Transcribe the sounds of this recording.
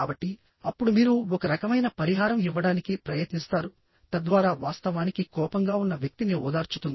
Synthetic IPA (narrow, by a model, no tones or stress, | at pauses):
aːbɐʈːi | ɐpːuɽumiːɾuɔkɐɾɐkɐmɐjnɐpɐɾiɦaːɾɐmiʋːɐɽaːnikipɾɐjet̪nist̪aːɾu | t̪ɐd̪ʋaːɾaːʋaːst̪ɐʋaːnikikɔːpɐŋɡaːunːɐʋjɐk̚t̪iniɔ̰ːd̪aːɾt͡ʃu̥t̪und̪i